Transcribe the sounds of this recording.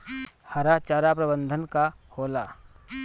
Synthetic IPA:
hɐɾat͡ʃaːɾap̬ɾəbə̃nd̪ʱənka | hoːla

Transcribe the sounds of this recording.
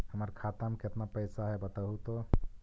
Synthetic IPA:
ɦəməɾkʰat̪amket̪napəjsaɦɛbət̪əɦut̪ɔ

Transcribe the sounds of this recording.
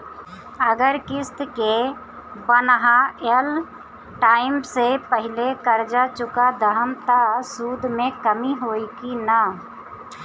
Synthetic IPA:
əɡəɾkɪst̪ke | bənɦael | ʈaːɪmsepəɦɪlekəɾd͡ʒat͡ʃʊkad̪ʱəɦəmt̪asuːd̪mẽkəmiɦoːikina

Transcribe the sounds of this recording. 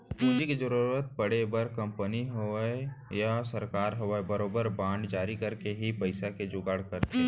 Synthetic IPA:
uːd͡ʒikezəɾuːɾət̪̚bɐɽebəɾkɐ̃mpəniɦoejasɐɾkaːɾɦoʋbɐɾoːbəɾbãːɳɖd͡ʒaːɾikɐɾkeɦipɐɪsaked͡ʒʊɡaːɽkɐɾt̪eɛ

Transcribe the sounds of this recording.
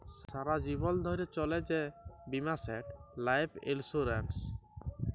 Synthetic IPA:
saɾad͡ʑibɔld̪ʱɔɾet͡ɕɔled͡ʑebimaseʈlajpʰḛlsuɾens

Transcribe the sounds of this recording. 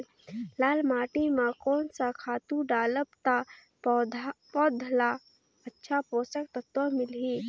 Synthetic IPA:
laːlmaːʈimãkɔːnsakʰaːt̪ũɖaːləbt̪a | d̪pɔːd̪ʱla | ɐtːʃʰapoːsək̚t̪ət̪wəmɪlɦiː

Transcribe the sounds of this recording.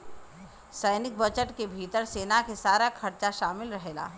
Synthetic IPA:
səɪnɪk̚bɐt͡ʃəʈkebʱiːt̪əɾseːnakesaːɾakʰɐɾt͡ʃaʃaːmɪlɾɐɦeːɡa̰ː

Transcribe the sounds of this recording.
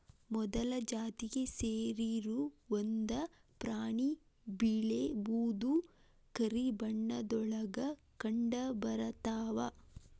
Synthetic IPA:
mɔd̪ɐlɐd͡ʒaːt̪iɡe̞seːɾiɾuʋond̪ɐ | pɾaːɳi | biɭebuːd̪u | kɐɾibɐɳːɐd̪ɔɭɐɡɐ | kɐɳɖɐbɐɾɐt̪aːʋɐ

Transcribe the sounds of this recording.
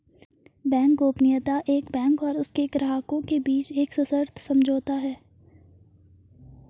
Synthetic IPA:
bɛ̃ːŋkoːpnɪjət̪aʔeːkbɛ̃ːŋkɔːɾʊskekɾaɦaːkõkebiːt͡ʃeːksɐsəɾt̪ʰsɐmd͡ʒʱoːt̪aɦɛː

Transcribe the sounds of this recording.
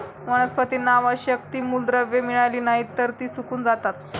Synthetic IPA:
məɽ̃əspət̪iːnaʋaɕək̚t̪iːmuld̪ɾəʋjemiɭajliːnaɦiːt̪ːəɾt̪iːsukuːnd͡zat̪at̪̚

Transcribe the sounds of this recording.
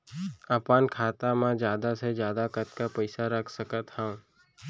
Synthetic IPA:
əpankʰaːt̪amãd͡ʒjaːd̪ased͡ʒjaːd̪akət̪kapəjsaɾəkʰsəkət̪hə̃w̃

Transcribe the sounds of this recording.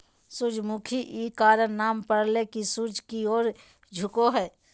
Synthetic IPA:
sʊd͡ʒmukʰiʔiːkaːɾənnaːmpəɽlekisʊd͡ʒʱkioːɾ | d͡ʒʱʊkoɦɛː

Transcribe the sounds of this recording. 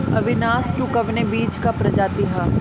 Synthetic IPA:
ɐʋɪnaːsʈukɐʋnebiːt͡ʃkapɾɐd͡ʒaːt̪iɦa

